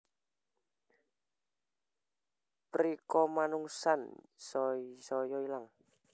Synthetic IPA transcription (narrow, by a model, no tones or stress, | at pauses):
pɾikɔmanuŋsansɔsɔjɔilaŋ